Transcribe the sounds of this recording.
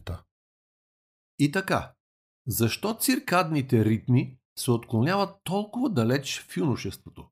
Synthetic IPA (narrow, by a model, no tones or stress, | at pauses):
t̪ə | it̪ɐka̰ | zɐʃt̪ɔt̪siɾkad̪nit̪ɛɾit̪mi | sɛot̪klˠonʲjavət̪ːɔlˠkʊvəd̪ɐlɛt͡ʃfunʊʃɛst̪vot̪o